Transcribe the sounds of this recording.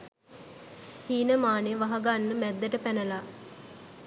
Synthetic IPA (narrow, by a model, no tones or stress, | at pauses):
hiːnəmaːneʋaɦɐɡanːəmæd̪ːəʈəpænəla